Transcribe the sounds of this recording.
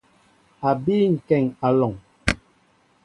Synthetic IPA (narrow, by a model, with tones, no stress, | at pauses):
a˨biː˦ŋ̩˨kɛ˨ŋa˨lɔ˨ŋ